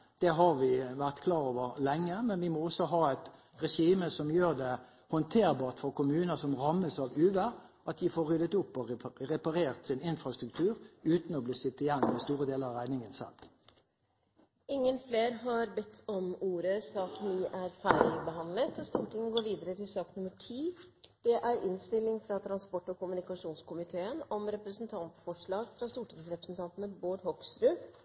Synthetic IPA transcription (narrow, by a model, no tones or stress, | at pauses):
d̪̥ɛɦɑɾʋɪʋæʁt̪kʰlɑːɾoːʋəʁlɛŋːəmɛnʋɪmɔɔsɔɦɑːæt̪ | ɾɛʃiːməsɔmjøːʁd̪ɛ | hɔnt̪ʰeːʁbɑːʁt̪fɔʁkʰʊmʉːnəsɔmʁɑmːəsɑʋʉːʋəʔɑt̪̚d̪ɪfoːɾːʏd̪ət̪ʊpːɔʁɛpɑɾeːʁt̪sɪnɪnfɾɑst̪ɾʉk̚t̪ʰʉːɾʉːt̪nɔbliːsɪt̪ːɪjɛnːmɛst̪uːɾəd̪eːləɾɑʁæɪnɪŋənsɛ̰l | ɪŋːənfleːɾɦɑɾbɛt̪ʰːɔmuːɾəsɑːkniːʔæɾfæɪlɪbəɦɑnlət̪ɔst̪uːʈɪŋɡoːɾʋiːd̪əɾət̪ɪlsɑːknʊməʈʰiːd̪̥ɛʔæɾɪnst̪ɪlːɪŋfɾɑt̪ʰɾɑnspɔʈːɔkʊmʉnɪkɑʂuːnskʊmɪt̪ʰeːənɔmɾɛpɾəsnt̪ʰɑnt̪fɔʂɭɑːɡfɾɑst̪uːʈʰɪŋsɾɛpɾəsn̩t̪ʰɑnt̪ənəboːɖ̪hɔkst̪ɾʉː